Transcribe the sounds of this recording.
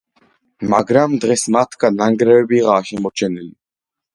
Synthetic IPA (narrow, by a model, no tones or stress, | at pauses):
maɡɾamd̪ʁɛsmat̪ʰkʰanaŋɡɾɛwɛbiʁaːʃɛmɔt͡ʃʰɛnɛl